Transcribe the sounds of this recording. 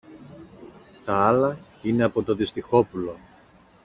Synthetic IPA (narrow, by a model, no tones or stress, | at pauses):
t̪ɐɐlɐ | ine̞ɐpo̞t̪o̞ðist̪ixo̞pulo̞